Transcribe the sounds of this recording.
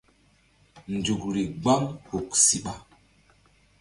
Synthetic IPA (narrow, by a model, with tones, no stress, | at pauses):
n˨d͡zu˨kɾi˨ɡ͡ba˦ŋhu˨k̚si˨ɓa˨